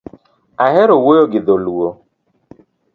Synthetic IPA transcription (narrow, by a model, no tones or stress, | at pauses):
ahɛɾowojoɡɪðoluo